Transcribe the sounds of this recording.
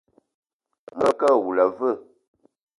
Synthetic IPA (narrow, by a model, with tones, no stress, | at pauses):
mə˦kə˦˨ɣu˨la˨və˦˨